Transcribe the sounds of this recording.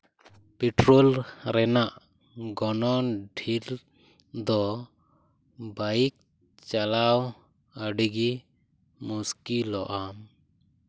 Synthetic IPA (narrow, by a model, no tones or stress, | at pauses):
pɛʈɾɔlɾɛnaʔ | ɡɔnɔɖʱil | d̪ɔ | baik̚ | t͡ʃalaw | əɖiɡi | muskilɔʔam